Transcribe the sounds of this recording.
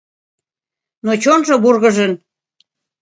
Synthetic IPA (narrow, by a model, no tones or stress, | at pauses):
not͡ɕonʒoburɣə̆ʒən